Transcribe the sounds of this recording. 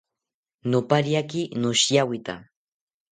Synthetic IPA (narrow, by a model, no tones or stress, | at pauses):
nʊpaɾjakɪnʊʃjawɪt̪a̰